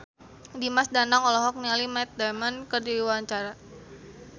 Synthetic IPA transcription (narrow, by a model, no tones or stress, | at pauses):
dimasdanaŋɔlɔɦɔk̚nialimɛt̪̚damankərdiiwaɲt͡ʃaɾa